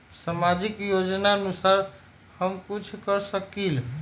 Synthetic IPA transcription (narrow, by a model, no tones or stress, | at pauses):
samad͡ʒikjod͡ʒnaənusaɾ | həmkut͡ʃʰkəɾsəkil